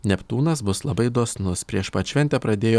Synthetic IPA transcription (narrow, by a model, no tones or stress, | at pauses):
nʲɛpt̪uːnɐs̬bʊslˠɐbɐɪd̪oːsnʊspʲɾʲiɛʃpɐʃʲʋʲɛnʲt̪ʲɛpɾɐd̪ʲeːjoː